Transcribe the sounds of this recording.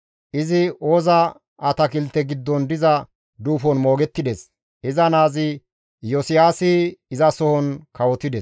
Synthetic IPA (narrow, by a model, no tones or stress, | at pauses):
ʔɪzɪʔo̞ːzɐ | ɐt̪ɐkɪlt̪ːɛɡɪd̪ːɔnd̪ɪzɐ | d̪uːfɔnmo̞ːɡɛt̪ːɪd̪ɛs | ɪzɐnaːzɪ | jɔsɪjaːsɪɪzɐsɔhɔnkɐwɔt̪ɪd̪ɛs